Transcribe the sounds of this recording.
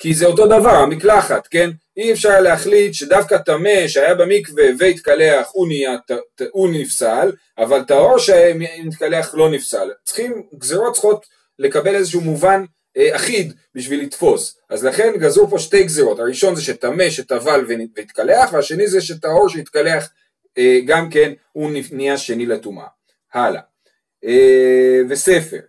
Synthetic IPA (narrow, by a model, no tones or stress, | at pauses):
kizeoto̞d̪avaʁhamiklaχat̪ke̞n | iefʃaʁleaχlit̪ʃe̞dafkat̪ame̞ʃeajabemikveveit̪kaleaχuniatunifsal | ʔavalt̪ao̞ʁʃemnit̪kale̞aχlo̞nifsalt͡sχimɡzeʁo̞t̚t͡sχo̞t̪ | le̞kabe̞lezeʃ̬umuvan | eaχid̪ | biʃvilit̪fo̞sʔazlaχe̞nɡazupo̞ʃte̞jɡzeʁo̞thaʁiʃo̞nzeʃet̪ame̞ʃet̪avalveveit̪kaleaχveaʃe̞nizeʃetao̞ʁʃeit̪̚kale̞aχ | eɡamke̞n | uniniaʃe̞niletumʔa̰ | hala̰ | evese̞fe̞ʁ